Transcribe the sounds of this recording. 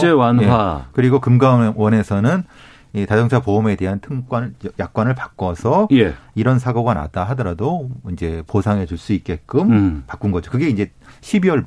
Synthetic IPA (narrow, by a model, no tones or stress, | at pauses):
t͡ɕewanjewakɯɾiɡokɯmɡawʌne̞sʰʌnɯn | itad͡ʑʌŋt͡ɕʰapome̞de̞ɦantʰɯŋk͈wajak̚k͈wanɯɭpak͈ʌsʰʌjeiɾʌnsʰaɡoɡana̰daɦadʌɾadoind͡ʑe̞posʰaŋɦe̞d͡ʑuɭs͈uit̚k͈e̞k͈ɯmpak͈unɡʌd͡ʑokɯɡe̞ind͡ʑe̞ɕʰibiwʌɭ